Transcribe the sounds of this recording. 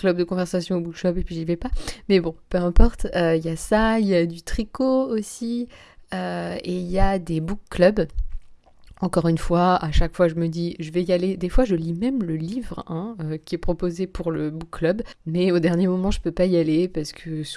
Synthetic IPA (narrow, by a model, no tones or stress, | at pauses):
klœb̚d̪əkɔ̃vɛʁsasjɔ̃obukʃœbepɥiʒivɛpamɛbɔ̃pøɛ̃pɔʁt̪øiljasailjad̪yt̪χikoosi | øeiljad̪ebukːlœb | ɑ̃kɔʁynfwaaʃakfwaʒəməd̪iʒəvɛjaled̪efwaʒəlimɛmləlivʁɛ̃økʲiɛpχɔpozepuʁləbukːlœbmɛod̪ɛʁnjemɔmɑ̃ʒəpøpaialepaʁsə̥kʰəs